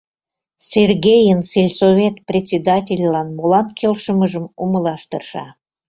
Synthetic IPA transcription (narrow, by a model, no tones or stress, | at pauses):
serɣʲejənselʲsovʲet̪̚prʲet͡sʲed̪ɑtʲelʲːɑnmolɑnkʰelʃəməʒəmuməlɑʃt̪ərʃɑ